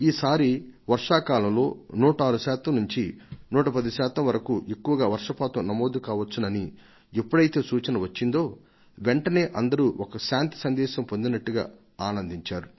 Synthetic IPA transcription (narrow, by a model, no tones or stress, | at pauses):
iːsaːɾiʋɐɾʂaːkaːlɐmlo̞ːnuːʈaːɾuʃaːt̪ɐmnuɲt͡ʃinuːʈɐpɐd̪iʃaːt̪ɐmʋɐɾɐkuʔe̞kːuʋɐɡaːʋɐɾʂɐpaːt̪unɐmo̞ːd̪ukaːʋɐt͡ʃːunɐni | epːuɽɐjt̪e̞ːsuːt͡ʃɐnɐʋɐt͡ʃːind̪o̞ː | ʋe̞ɳʈɐne̞ːʔɐnd̪ɐɾuʔɔkɐʃaːnt̪i̥sɐnd̪ɛːʃɐmpond̪inɐʈːuɡa̰ː | aːnɐnd̪iɲt͡ʃaːɾu